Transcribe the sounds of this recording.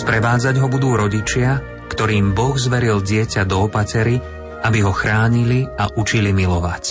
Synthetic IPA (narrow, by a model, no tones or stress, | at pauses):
spɾɛʋaːd͡zaɟɦɔbud̪uːɾɔɟit͡ʃɪa | kt̪ɔɾiːmbɔɣzʋɛɾilɟɪɛcad̪ɔːpacɛɾi | abiɦɔxɾaːɲiliaʔut͡ʃilimilɔʋac